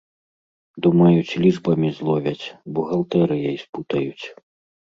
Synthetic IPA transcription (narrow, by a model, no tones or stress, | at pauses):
d̪umɐjut͡sʲlʲiʐbɐmʲizlˠɔvʲɐt͡sʲbuɣɐlˠt̪ɛɾɨjɛjsput̪ɐjut͡sʲ